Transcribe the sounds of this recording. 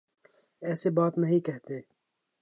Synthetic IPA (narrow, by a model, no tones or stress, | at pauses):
eːsebɑːt̪nɐɦĩkɐɦt̪eː